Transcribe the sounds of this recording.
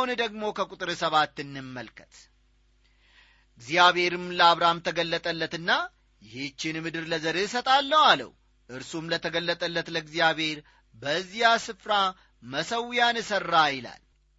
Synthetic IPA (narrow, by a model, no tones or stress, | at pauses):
und̪əɡmo̞kʰəkʷʼut̪ʼɨɾɨsəβat̪ːɨnːɨmːəlkʰə̥t̪ | ɡzijaβhe̞ɾɨmləaβɾamt̪ʰəɡəlːət̪ʼəlːət̪ɨnːa | jɪt͡ʃːɪnmɨd̪ɨɾləzəɾesət̪ʼalːəwalə̰w | ʔɨɾsumlət̪ʰəɡəlːət̪ʼəlːət̪ləɡzijaβhe̞ɾ | bəzːjasɨfɾa | məsəwjanɨsərːajɪla̰l